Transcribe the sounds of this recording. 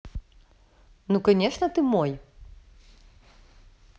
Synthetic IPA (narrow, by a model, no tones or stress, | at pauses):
nukanʲɛʂnɐt̪ɨmɔj